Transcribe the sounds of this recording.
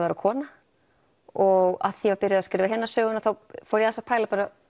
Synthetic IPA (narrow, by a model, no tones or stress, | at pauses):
vaɾakʰɔːna | ɔɣa̰ðθjɛvaɾpɪɾɪðascɪɾvaɦɛnːasœːɣʏnaθawfɔːɾjɛasḁpʰaːjlapaːɾa